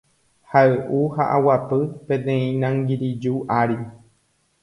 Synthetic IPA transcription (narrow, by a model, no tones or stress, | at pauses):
haeʔuhaʔawapɨpẽt̪ẽĩnãŋɡiɾid͡ʒuʔaɾi